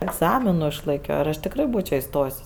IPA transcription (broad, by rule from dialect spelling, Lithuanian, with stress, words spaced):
ɛɡˈzɑːmʲɪnʊ ɪʃlˠɐɪˈkʲoː ɪr ˈɐʃ tʲɪkˈrɐɪ ˈbuːt͡ʃʲoː ɪˈstoːjsʲ